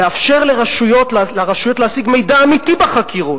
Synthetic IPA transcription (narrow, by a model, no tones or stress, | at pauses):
eafʃe̞ʁleʁaʃujo̞tllaʁaʃujo̞t̪lehasiɡme̞jdaːmit̪ibaχakʰiʁut